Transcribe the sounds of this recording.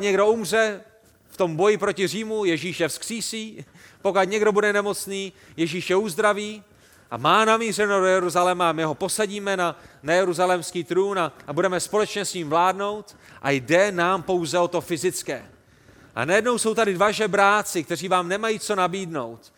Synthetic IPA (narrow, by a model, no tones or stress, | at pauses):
ɲɛɡdo̞umr̝ɛ | ft̪o̞mbo̞jɪpɾo̞cɪriːmujɛʒiːʃjɛfskr̥iːsiː | pokat̪ɲɛɡdo̞budɛnɛmo̞t͡sniː | jɛʒiːʃjɛuzd̪ɾaviː | ʔa̰maːnamiːr̝ɛnodojɛɾuzalɛmaamɪɦo̞po̞saɟiːmɛnanajɛɾuzalɛmskiːt̪ɾuːnabudɛmɛspo̞lɛt͡ʃɲɛsɲiːmvlaːdno̞wt̪ | ʔa̰jdɛnaːmpo̞wzɛo̞t̪o̞fɪzɪt͡skɛ̰ː | ʔa̰najɛdno̞wso̞wt̪adɪdvaʒɛbɾaːt͡sɪk̚t̪ɛriːvaːmnɛmajiːt͡so̞nabiːdno̞̰wt̪